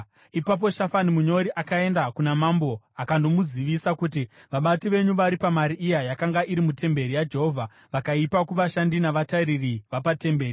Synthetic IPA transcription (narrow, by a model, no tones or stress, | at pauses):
ipap̬o̞ʃafanimuɲo̞ɾiʔakae̞ndakunamambo̞ | akando̞muziʋisakutiʋaɓatiʋe̞ɲuʋaɾipamaɾiʔijajakaŋɡaʔiɾimute̞mbe̞ɾijad͡ʒe̞ɦo̞vʱa | ʋakaipakuʋaʃandinaʋataɾiriʋapate̞mbe̞ːri